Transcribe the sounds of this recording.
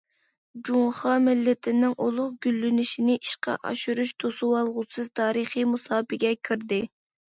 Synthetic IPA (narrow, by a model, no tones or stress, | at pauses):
d͡ʒuŋχɑmɪlːɪt̪ʰɪnɪŋʔolˠʊχɡʲylːynɪʃinɪʔiʃqɑ̰ʔɑ̰ʃuɾuʃt̪ʰosuwɑlˠʁʊsɨz̥t̪ʰɑːɾɨχimusɑːpɪɡʲɛkʲʰiɾd̪ɪ